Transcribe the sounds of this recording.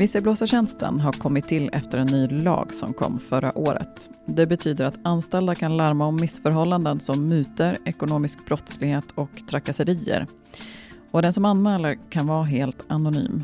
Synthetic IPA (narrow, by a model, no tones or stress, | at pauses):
vɪsːəbloːsaɕɛnst̪ʰə̰nɦaɾkʰɔmːɪt̪ʰːɪlːɛft̪əɾɛnːyːlɑ̰ːɡsɔ̰mkʰɔ̰mːfœɾa̰ʔoːɾə̰t̪d̪ɛbɛt̪ʰyːd̪əɾat̪anst̪ɛld̪akʰanlaɾmaɔmːɪsfœɾɦɔlːand̪ənsɔmːʉ̟ːt̪əɾɛkʊnoːmɪsk̚bɾɔt̪slɪɡheːt̪ʰɔkt̪ʰɾakːasəɾiːə̰ɾ | ɔd̪ɛnsɔmanːmɛːlaɾkʰanvɑːɦeːlt̪anʊny̰ːm